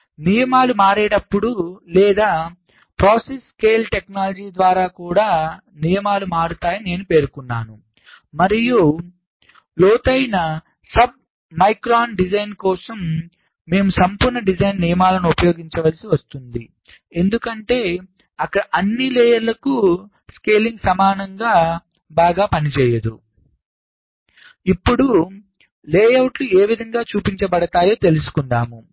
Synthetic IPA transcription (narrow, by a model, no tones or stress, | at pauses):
nijɐmaːlumaːɾɛːɽɐpːuɽulɛːd̪aː | pɾaːseskeːlʈe̞knaːlɐd͡ʒiːd̪ʋaːɾaːkuːɽaː | nijɐmaːlumaːɽut̪aːjɐne̞ːnupe̞ːɾukunːaːnu | mɐɾiju | lɔːt̪ɐjnɐ | sɐb̚ | mɐjkɾaːnɖid͡ʒɐjnkɔːsɐmː | e̞ːmusɐmpuːɾɳɐɖid͡ʒɐjnːijɐmaːlɐnuupɐjo̞ːɡiɲt͡ʃɐʋɐlsiʋɐst̪und̪i | e̞nd̪ukɐɳʈe̞ː | ɐkːɐɽɐʔɐnːilɛːjɐɾlɐku | ske̞ːliŋɡsɐmaːnɐŋɡaː | baːɡaːpɐnit͡ʃɛːjɐd̪ṵ | ipːuɽu | leːjɐwʈlueːʋid̪ʱɐŋɡaːt͡ʃuːpiɲt͡ʃɐbɐɽɐt̪aːjo̞ːt̪e̞lusu̥kunɖ̪aːmu